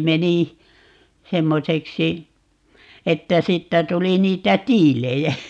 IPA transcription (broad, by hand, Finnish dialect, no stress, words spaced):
meni semːoseksi etːæ siːtːæ tuli niːtæ tiːlejæ